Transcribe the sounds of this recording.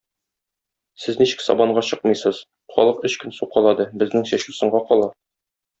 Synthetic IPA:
sɘzniɕɘ̥̆ksɒ̰bɑɴɢɑɕɤqmɤjsɤz | χɒ̰lˠɤqɵɕkɘnsuqːɒlˠɑd̪ɤbɘ̆znɘŋɕæɕusɤ̆ɴɢɑqɒlˠɑ

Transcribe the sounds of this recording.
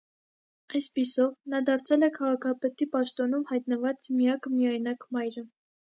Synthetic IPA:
ɑjspisɔvnɑd̪ɑɾt͡sʰɛlɛkʰɑʁɑkʰɑpɛt̪ipɑʃt̪ɔnumhɑjt̪nəvɑt͡smijɑkəmijɑjnɑkmɑjɾə

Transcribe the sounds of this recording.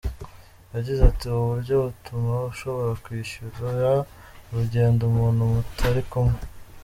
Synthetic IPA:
jaɟizatiuβuɾɟo̞βutumaβuʃo̞βo̞ɾakwiːʃuɾoja | ɾuɟe̞ːndomuːnhumutʰaɾikumŋe

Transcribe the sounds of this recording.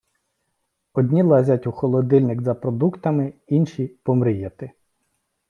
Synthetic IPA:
ɔdʲnʲilˠɑzʲɐtʲuxɔlˠɔd̪ɪlʲnɪɡzɐpɾɔd̪ukt̪ɐmɪinʃipɔmɾɪjɛt̪ɪ

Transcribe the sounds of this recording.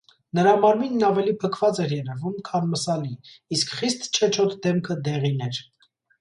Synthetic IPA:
nəɾɑmɑɾminːɑvɛlipʰəkʰvɑt͡sɛɾjɛɾɛvumkʰɑnməsɑliːskʰχist̪t͡ʃʰɛt͡ʃʰɔt̪ʰd̪ɛmkʰəd̪ɛʁinɛɾ

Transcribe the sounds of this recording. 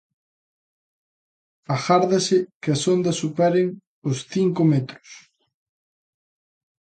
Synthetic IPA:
axaɾðɐsɪkɪasond̪ɐsupɛɾeŋ | ʊsθiŋkomet̪ɾʊ̥s

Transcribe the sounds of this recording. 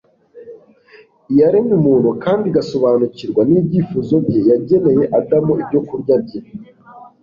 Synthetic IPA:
ijaɾemumuːnhukaːndiɡaso̞βaːnuciɾɡwaniːbɟifuːzo̞bɟe̞jaɟe̞ne̞je̞ʔadamuibɟo̞kuɾɟab̚ɟe

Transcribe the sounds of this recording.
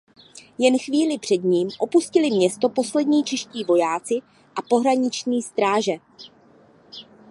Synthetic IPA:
jɛnxviːlɪpr̝̥ɛdɲiːmʔo̞puscɪlɪmɲɛst̪opo̞slɛdɲiːt͡ʃɛʃciːvo̞jaːt͡sɪ | ʔapo̞ɦɾaɲɪt͡ʃɲiːst̪ɾaːʒɛ

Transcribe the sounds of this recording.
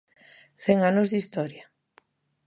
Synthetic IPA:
θɛŋanozðist̪ɔɾja

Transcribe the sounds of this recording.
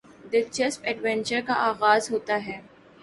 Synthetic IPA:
d̪ɪlt͡ʃəspɛːɖʋɛ̃nt͡ʃəɾkaʔaːɣaːzɦoːt̪aɦɛː

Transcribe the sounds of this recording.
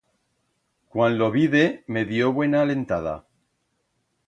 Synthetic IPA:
kwanlo̞βiðe̞me̞ðjo̞βwe̞naːle̞nt̪að̞a̰

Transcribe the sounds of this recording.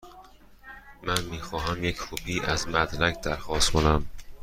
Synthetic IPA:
mænmiːxɒːɦæmjecʰhʰuːpʰiːʔæzmæd̪lækd̪̥æɾxɒːst̪kʰonæm

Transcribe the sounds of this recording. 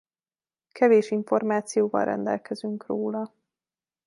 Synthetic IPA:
kʰɛveːʃiɱfo̞rmaːt̪sijoːvɒ̰lrɛ̰nd̪ɛ̰lkɛzyŋkroːlɒ

